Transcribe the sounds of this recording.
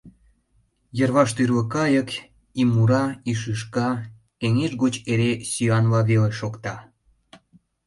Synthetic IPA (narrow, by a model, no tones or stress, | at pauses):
jərβɑʃt̪yrβə̆kɑjək | imːuɾɑiʃ̬ɨʃ̬kɑ | eŋeʒɣot͡ɕeɾesyɑnlɑβeleʃokt̪ɑ